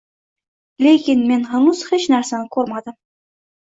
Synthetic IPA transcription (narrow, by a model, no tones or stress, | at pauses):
lʲekʲinmenɦɑɴuz̥het͡ʃnæɾsænɪkʰɵɾmad̪əm